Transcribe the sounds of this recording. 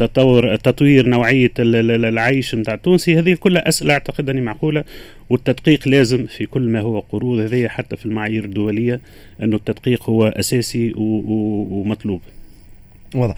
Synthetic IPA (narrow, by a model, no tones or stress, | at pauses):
t̪ɑt̪ˤɑwːɾt̪ːɑt̪ˤwiːɾnawʕɪjːalʕajʃmt̪aːʕt̪ːuːnsihæːðɪjːælkʊlːhæʔæsʔɪlaʔaʕt̪ɑqɪd̪ʔænːimaʕquːla | wɪt̪ːɑd̪qiːqlæːzɪmfikʊlːmæɦʊwːæqʊɾuːd̪hɛðɪjːæħat̪ːæfilmaʕajiːɾɪd̪ːʊwælɪjːa | ʔɪnːʊt̪ːɑd̪qiːqhʊwːæʔæsæːsiw | mɑt̪ˤluːb | wɑðˤ